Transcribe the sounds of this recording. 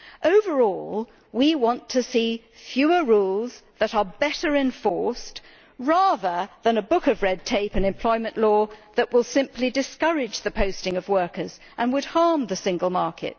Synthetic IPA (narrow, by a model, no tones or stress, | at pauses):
ʔoʊvə˞ɔlˠ | wiwɑ̃ntʰɨsi | fjʉə˞ɹulˠzðəɾə˞bɛɾə˞ɨ̃ɱfɔɹst | ɹæðə˞ðɨ̃nɨbʊkʌvɹɛd̚tʰeɪpɨ̃nɨ̃mpʰl̥ɔɪmɨ̃nʔlɔðɨʔwəlˠsɪ̃mpʰlidɨskʌɹɪd͡ʒðɨpʰoʊstɪ̃ŋʌvwɜ˞kə˞z | ʔə̃nwɨd̚hɑɹmðɨsɪ̃ŋɡəl̩ˠmɑɹkʰɨ̰t̚